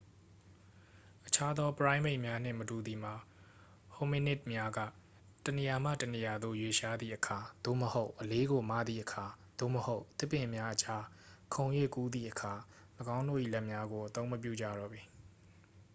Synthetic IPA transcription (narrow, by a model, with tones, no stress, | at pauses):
ʔət͡ɕʰa˦d̪ɔ˦pəɹã˦ɪ̃me˦ɪʔmja˦n̥ɪ̰̃˦˨mətu˨d̪i˨m̥a˨ | ho˨mi˦nɪ˦˨t̚mja˦ɡä̰˦˨ | təne˨ja˨m̥ä̰˦˨təne˨ja˨d̪o̰˦˨jwe˨ʃa˦d̪ðḭ˦˨ʔəkʰa˨d̪̥o̰˦˨məho˦ʊʔəle˦ɡo˨ma̰˦˨d̪ðḭ˦˨ʔəkʰa˨d̪̥o̰˦˨məho˦ʊʔt̪ɪ˦pːɪ̃˨mja˦ʔət͡ɕa˦ | kʰõ˨ʊ̃jwḛ˦˨ku˦d̪ðḭ˦˨ʔəkʰa˨ | ləɡã˦ʊ̃ndo̰˦˨ʔḭ˦˨lɛ˦ʔmja˦ɡo˨ʔət̪õ˦ʊ̃məp̬jṵ˦˨d͡ʑa̰˦˨ɾɔ̰˦˨bi˨